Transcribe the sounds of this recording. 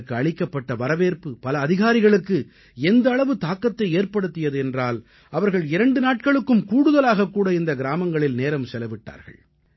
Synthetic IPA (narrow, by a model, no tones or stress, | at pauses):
kːɯɐɭɪkːɐpːɐʈːɐʋɐɾɐʋeːɾpɯpɐlɐːðɪɣaːɾɪɣɐɭɯkːɯ | ɛnd̪ɐːɭɐʋɯt̪aːkːɐt̪ːɐɪeːɾpɐɽɯt̪ːɪjɐðɯɛndraːl | ɐʋɐɾɣɐɭɪɾɐɳɖɯnaːʈ̚kɐɭɯkːɯmkuːɽɯðɐlaːɣɐkːuːɽɐɪnd̪ɐɡɪɾaːmɐŋɡɐɭɪlneːɾɐmsɛlɐʋɪʈːa̰ːɾɣɐ̰ɭ